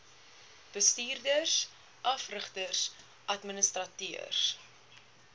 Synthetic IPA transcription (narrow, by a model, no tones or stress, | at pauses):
b̥əstiːrdərs | ʔɐfrəχtərs | ʔɐtmənəstrɐtiərs